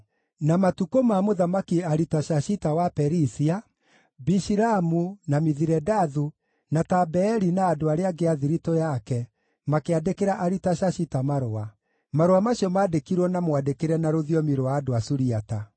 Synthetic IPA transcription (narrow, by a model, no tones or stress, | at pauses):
namatukomamoðamakiaɾitaʃaɕitawapɛɾisia | biʃiɾamunamiðiɾɛdaðu | natabɛːɾinaːdoaɾeaɡeaðiɾitojakɛ | makeadekeɾaʔaɾitaɕaɕitamaɾoa | maɾowamaɕiɔmaːdekiɾwɔnamowadekeɾɛnaɾoðiɔmiɾowaːdoasuɾiata